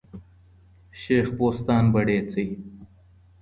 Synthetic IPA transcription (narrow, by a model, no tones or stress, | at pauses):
ɕeːxpoːst̪aːnbɐɽeːt͡sɐj